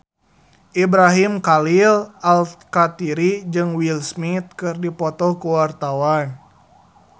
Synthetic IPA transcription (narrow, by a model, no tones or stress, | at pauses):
ʔibɾaɦimkalilʔalkat̪iɾid͡ʒɨŋwilsmit̪̚kɨrdipɔt̪ɔkuwart̪awan